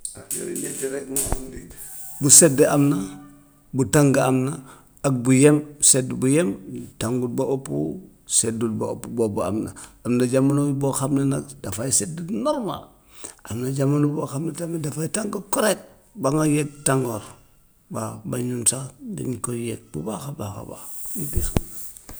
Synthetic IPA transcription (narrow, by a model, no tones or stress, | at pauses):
ajo̰ɾḭɲad͡ʒiɾekmaamdi | busedeamna | butaŋɡaamna | ak̚bujemsedbujemtaŋɡulbaopːṵ | sedulbao̰pːubobua̰mna̰amnaɟamanowiboxamnenadafajisedenoɾma̰l | amnad͡ʒamanuboxamnetamnedafaitaŋɡakoɾet̚ | baŋajet̚tːaŋɡoɾ | babaɲunsadḭɲkojek̚b̥ubaxabaxa̰ba̰itixamna